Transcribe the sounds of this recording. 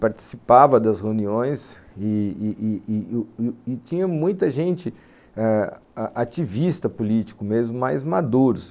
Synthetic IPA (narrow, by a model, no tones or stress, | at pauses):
paɾt͡ʃi̥sipavɐd̪ɐsheuniõj̃sɪː | ɪt͡ʃĩɲɐmũj̃t̪ɐʒẽnt͡ʃɪ | ɛ | aʔat͡ʃivist̪ɐpulit͡ʃi̥kʊmezmʊmajzmad̪uɾʊs